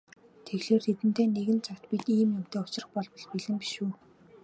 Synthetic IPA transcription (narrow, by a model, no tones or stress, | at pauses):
t̪ʰeɣɮeːrt̪ʰet̪ɘ̆nt̪eːneɣɘ̆nt͡sʰawt̪pit̪iːmjʊm̥t̪ʰeːʊt͡ɕɪ̆rə̆χpɔɮwɞ̆ɮpiɮɘ̆ŋpi̥ʃuː